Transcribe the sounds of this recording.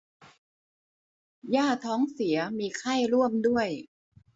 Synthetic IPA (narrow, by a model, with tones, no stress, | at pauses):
jaː˥˩t̪ʰɔː˦˥ŋsi˩˦ɐmiː˧kʰa˥˩jɾu˥˩əmdu˥˩əj